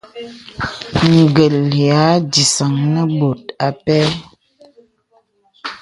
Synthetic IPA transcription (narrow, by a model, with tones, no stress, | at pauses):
ŋ̩˨ɡə˨lja˨˦di˨sa˨ŋnə˦bo˨t̚a˨pɛ˦